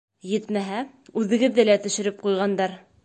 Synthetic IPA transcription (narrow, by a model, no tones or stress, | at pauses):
jɘt̪mæɦæ | ʉðɘ̆ɡɘ̆ðːɘlæt̪ɵ̆ʃɘ̆ɾɘp̚qujʁɑnd̪ɑɾ